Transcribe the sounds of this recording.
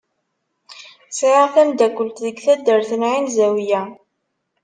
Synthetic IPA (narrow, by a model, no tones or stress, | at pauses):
siæθænd̪ækːəlt̪ðəɡθæd̪ːəɾθənʕinzæwijæ